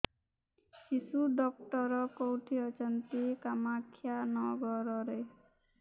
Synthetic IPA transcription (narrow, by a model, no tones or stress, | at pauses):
t͡ʃisuɖɔk̚ʈɔɾɔkowʈʰiɔt͡ʃɔnt̪ikamakʰːjanɔɡɔɾɔɾe